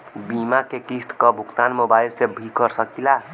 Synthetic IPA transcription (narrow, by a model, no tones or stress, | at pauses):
bimakekist̪kəbʱukt̪anmobailsebʱikəɾsəkila